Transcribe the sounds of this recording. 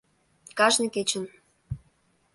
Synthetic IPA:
kɑʒnĕket͡ɕə̆n

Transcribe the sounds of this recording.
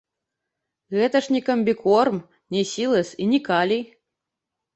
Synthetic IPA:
ɣɛt̪ɐʂnʲikɐmʲbʲikɔrm | nʲɛsʲilˠɐsinʲikalʲij

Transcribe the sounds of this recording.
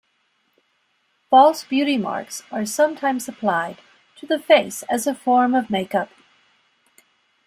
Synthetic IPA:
fɔlˠsb̥jʉɾimɑ̰ɹksə˞sʌ̃mtʰãɪ̃mzəpʰl̥aɪd | tʰɨðɨfeɪsɨzɨfɔɹmʌvmeɪkʌp̚

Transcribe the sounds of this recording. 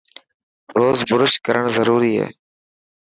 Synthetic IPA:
ɾoːzbʊɾəʃkəɾəɽzəɾuːɾiːɦḛː

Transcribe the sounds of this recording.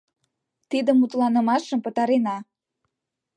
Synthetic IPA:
t̪id̪əmut̪lɑnə̆mɑʃəmpə̆t̪ɑɾenɑ

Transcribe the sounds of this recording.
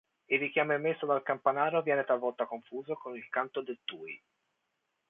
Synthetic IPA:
ilrːik̟jaːmemːesːod̪alkampanaːɾovjɛːnet̪alvɔlt̪akoɱfuːzokonilkant̪od̪et̪ːuːj

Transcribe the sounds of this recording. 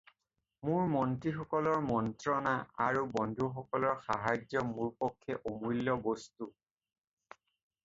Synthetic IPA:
muɹmɔntɹixɔkɔlɔɹmɔntɹɔnaa̰ɹubɔndʱuxɔkɔlɔɹxaɦajd͡ʒɔmuɹpɔkʰːɛʔomujlːɔbɔstu

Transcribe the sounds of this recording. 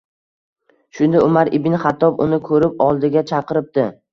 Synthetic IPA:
ʃʊnd̪aʊmaɾɪbɪnχat̪ʰːɒpʊ̰nɪkʰɵɾɪp̚ɒlˠd̪ɪɡʲat͡ʃʰɑqɨɾɪp̚d̪̥ɪ

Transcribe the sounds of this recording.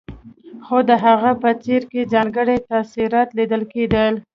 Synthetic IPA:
xod̪əɦaɣapət͡seɾkezɑnɡəɽet̪asiɾɑt̪lid̪əlked̪əl

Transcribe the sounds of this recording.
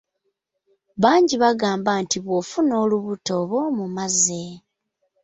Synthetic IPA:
βaːɲɟiβaɡaːmbantiβwofuno̞ːluβuto̞βo̞mumaze

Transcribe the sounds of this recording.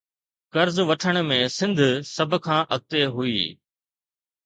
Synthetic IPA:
kɐɾzʋɐʈʰəɽ̃mẽːsɪ̃nd̪ʱsɐbʱkʰãːʔɐɡ̚t̪eɦʊḭː

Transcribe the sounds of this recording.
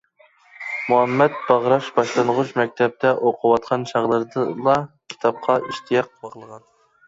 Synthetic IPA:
muɛmːɛt̪̚b̥ɑʁɾɑʃbɑʃlˠɨnʁʊt͡ʃmɛk̚ʲt̪ʰɛp̚t̪ɛʔoqʰʊwɑt̪qʰɑnʃɑʁlˠɨɾd̪ɨlˠɑkʲʰi̥t̪ʰɑp̚qʰɑʔiʃt̪ʰijɑq̚

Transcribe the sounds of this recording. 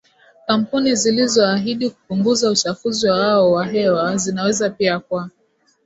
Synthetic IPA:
kam̩punizilizɔaɦiɗiku̥puŋɡuzaut͡ʃafuziwawaɔwaɦɛwazinawɛzapiak̚wa

